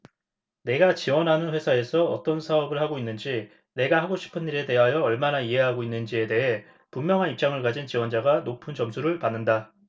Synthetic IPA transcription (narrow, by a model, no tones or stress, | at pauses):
ne̞ɡat͡ɕiwʌnɦanɯnɸwe̞sʰae̞sʰʌʌt͈ʌnsʰaʌbɯɭhaɡoinːɯnd͡ʑi | ne̞ɡahaɡoɕʰi̥pʰɯniɾe̞te̞ɦajʌːɭmanaiɦe̞ɦaɡoinːɯnd͡ʑie̞de̞ɦe̞ | pumːjʌŋɦanip̚t͡ɕ͈aŋɯɭkad͡ʑint͡ɕiwʌnd͡ʑaɡanopʰɯnd͡ʑʌmsʰuɾɯɭpanːɯnda